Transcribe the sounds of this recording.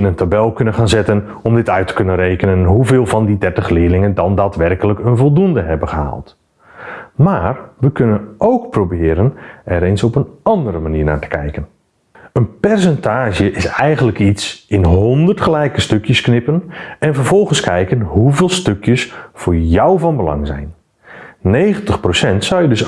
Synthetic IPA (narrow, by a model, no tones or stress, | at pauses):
ɪnəntabɛlˠkʏnənχaːnzɛtən | ɔmdɪtœɥtə̥kønənrejkənənɦuvɪːlˠvɑndidɛrtəχlɪːlɪŋəndɑndaːtʋɛrkələkənvɔlˠdundəɦɛbəχəɦa̰ːlˠt | maːrʋəkʏnənowkprobɪːɾənɛɾensɔpənɑndəɾəmaniːɹna̰ːɹtə̥kʰɛjkən | ənpɛrs̬ɛntaːʒjəʔɪsɛjχəntləkitsɪnɦondərtχəlɛjkəstøkjəsknɪpənɛnvərɹv̥ɔlˠχənskɛjkənɦuvɪːlˠstøkjəsfʊːɹjɔwvɑnbəlɑ̰ŋzɛ̰jn | nejχəntəχprosɛntsawjədɵs